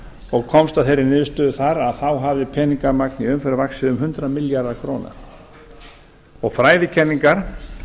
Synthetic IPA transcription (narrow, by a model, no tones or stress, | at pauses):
ɔɣkʰɔmst̪aθejɾːɪnɪðst̪œːðʏθaɾaðθawɦavðɪpʰɛːniŋkaɾmak̚niʏmfɛɾavaksɪʏmɦʏnt̪ɾamiljaɾðakʰɾoːna̰ | ɔɣfɾaːjðɪcʰɛnːiŋkaɾ̥